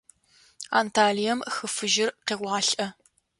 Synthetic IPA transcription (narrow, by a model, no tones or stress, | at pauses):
a̰ːntʰaːɮijɐmxɨfɨʒɪrqeːʁʷɑːɬʼʔɐ